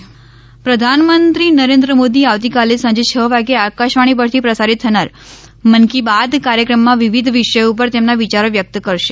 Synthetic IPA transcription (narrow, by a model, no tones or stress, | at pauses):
pɾəd̪ʱanmənt̪ɾinəɾẽnd̪ɾəmod̪iaʋt̪ikalesə̃ɲd͡ʒet͡ʃʰəːʋaɡeakaʃʋaɽ̃ip̬əɾt̪ʰipɾəsaɾit̪ʰːənaɾ | mənkibad̪kaɾjəkɾəmːãʋiʋid̪ʱʋiʃəjup̬əɾt̪emnaʋit͡ʃaɾoʋjək̚t̪kəɾʃe